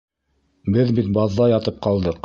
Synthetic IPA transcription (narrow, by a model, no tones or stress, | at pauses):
bɘðbit̪bɑðːɑjɑt̪ɤp̚qɑlˠd̪ɤq